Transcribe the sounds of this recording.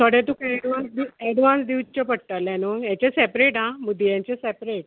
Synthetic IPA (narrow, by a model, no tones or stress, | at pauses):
t̪ʰəɽet̪ũkaɛɽʋãnsd̪iɛɽʋãnsd̪iwt͡ɕəpəɽt̪aljanəjãɲt͡ɕesɛpɾeʈãməɡd̪ijãɲt͡ɕesɛpɾeʈ̚